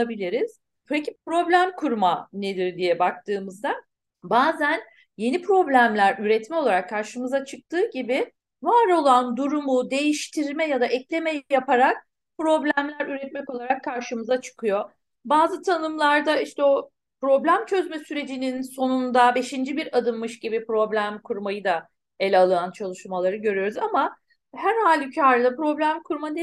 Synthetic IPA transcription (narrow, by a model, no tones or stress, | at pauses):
abilʲiɾiz̥ | b̪oecipɾo̞blʲæmkʰuɾmane̞d̪iɾd̪ijɛbak̚t̪ʰɯːmɯzd̪a | baːzæn | je̞nipʰɾo̞blʲæmlʲæɾyɾɛt̪mɛo̞lˠaɾakʰːaɾʃɯmɯzat͡ʃʰɯk̚t̪ʰɯːɟibɪ | vaːɾo̞lˠand̪uɾumud̪e̞jiʃt̪ʰiɾmɛjad̪aʔɛclʲe̞mɛjjapʰaɾak̚ | pɾo̞blʲæmlʲæɾyɾɛt̪̚mɛko̞lˠaɾakʰːaɾʃɯmɯzat͡ʃʰɯ̥kʰɯjo̞ | baːzɯt̪ʰanɯmlˠaɾd̪aiʃt̪ɛo | pɾo̞blʲæmt͡ʃʰø̞zmɛsyɾe̞d͡ʒininso̞nund̪abe̞ʃind͡ʒibiɾad̪ɯnmɯʃɟibipɾo̞blʲæmkʰuɾmajɯd̪a | elʲalˠɯant͡ʃʰalˠɯʃmalˠaɾɯɟø̞ɾyjo̞ɾuzama | hæɾhaːlʲycʰaɾd̪apɾo̞blʲæmkʰuɾmad̪e